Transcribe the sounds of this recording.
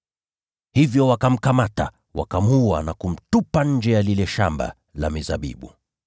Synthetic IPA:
hivjɔwakam̩kamata̰ | wa̰kamua̰nakum̩tupaɲ̩d͡ʒɛjalilɛʃamba̰ | la̰miza̰ɓḭɓu

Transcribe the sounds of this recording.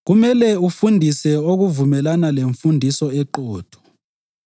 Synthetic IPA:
ɣumɛlɛufundʱisɛoɣuvumɛlanaleɱfundʱisɔɛǃɔːd̥ʰʱɔ̥

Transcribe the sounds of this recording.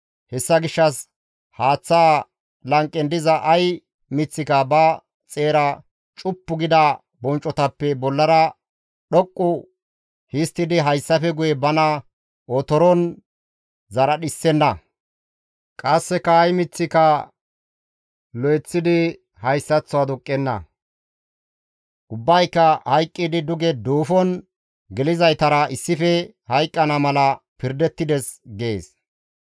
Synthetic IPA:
hɛsːɐɡɪʃːɐs | haːt͡sːa | lɐŋkʼːɛnd̪ɪzɐʔːj | mɪt͡sːɪkɐbɐ | t͡sʼe̞ːɾɐ | t͡ʃʼʊpːʊɡɪd̪ɐ | bɔnt͡ʃʼːɔt̪ɐpːɛbɔlːɐɾɐ | ɗɔkʼːʊ | hɪst̪ːɪd̪ɪɦɐjsːɐfɛɡʊjɛbɐnɐ | ɔt̪ɔɾɔn | zɐɾɐɗɪsːɛnːɐ | kʼɐsːɛkɐːjmɪt͡sːɪkɐ | lɔjɛt͡sːɪd̪ɪ | hɐjsːɐt͡sːɔɐd̪ʊkʼːɛnːɐ̰ | ʔʊbːɐjkːɐhɐjkʼːɪd̪ɪd̪ʊɡɛd̪uːfɔn | ɡɛlɪzɐjt̪ɐɾɐʔɪsːɪfɛ | hɐjkʼːɐnɐmɐlɐpɪɾd̪ɛt̪ːɪd̪ɛsɡe̞ːs

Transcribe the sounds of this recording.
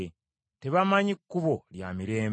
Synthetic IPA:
te̞βamaɲikːuβo̞lja̰miɾe̞ːm

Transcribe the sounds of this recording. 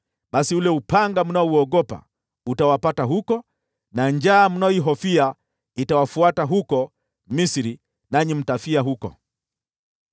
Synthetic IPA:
ɓasiulɛupaŋɡam̩naɔuɔɠɔpa̰ | utawapataɦukɔ | naɲd͡ʒaːm̩naɔiɦɔfia | itawafuataɦukɔ | misɾi | naɲim̩tafiaɦukɔ̰

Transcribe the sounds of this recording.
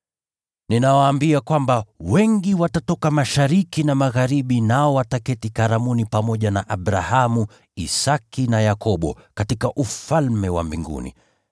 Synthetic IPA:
ninawaːmbiakwambawɛŋɡiwatatɔkamaʃaɾikinamaɣaɾiɓinaɔwatakɛtikaɾamunipamɔʄanaʔaɓɾahamu | isakinajakɔɓɔ̰katikaʔufalmɛwa̰mbiŋɡṵnḭ

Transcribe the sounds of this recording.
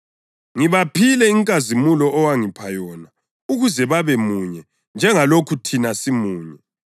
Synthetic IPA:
ŋiβapʰilɛiŋkʼazimulɔːwaŋipʰajɔna | uɣuzɛβaβɛmuɲɛ | nd͡ʒʱɛŋalokʰutʰinasimuːɲɛ

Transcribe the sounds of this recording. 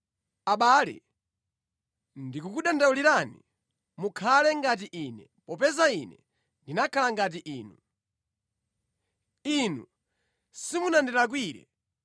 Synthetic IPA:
aɓaːlɛ̰ | ndikukuɗandauliɾani | mukʰalɛŋɡat̬iʔinɛ | pɔpɛzainɛ | ndinakʰalaŋɡat̬iʔiːnu | inṵ | simunandɛɾak̬wiːɾɛ̰

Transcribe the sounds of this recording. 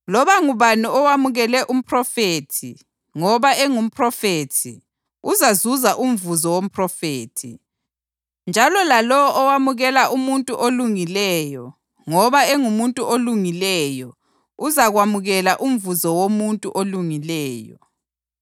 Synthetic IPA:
lɔβaŋuβaniɔwamuɣɛlɛʔum̩pʰʼrɔfeːtʰḭ | ŋɔβaeŋum̩pʰʼrɔfeːtʰḭ | uzazuzaʔum̩vuzɔwom̩pʰʼrɔfeːtʰḭ | nd͡ʒʱalɔlalɔwɔʔɔwamuɣɛlaʔumuntʼuʔoluŋilɛːjɔ | ŋɔβaeŋumuntʼuʔoluŋilɛjɔ | uzaɣwamuɣɛlaʔum̩vuzɔwomuntʼuʔoluŋilɛːjɔ̰

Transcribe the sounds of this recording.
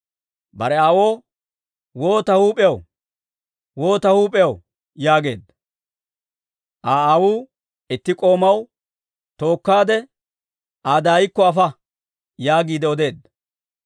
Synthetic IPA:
bɐ̰ɾɛaːwo̞ː | wo̞ːt̪ɐhuːpʼɛjɐw | wo̞ːt̪ɐhuːpʼɛjɐw | jaːɡe̞̰ːd̪ɐ | ʔaːaːwuː | ɪt̪ːɪkʼo̞ːmɐw | t̪o̞ːkːaːd̪ɛ | ʔaːd̪aːjɪkːɔɐfɐ | jaːɡiːd̪ɛɔd̪e̞ːd̪ːɐ

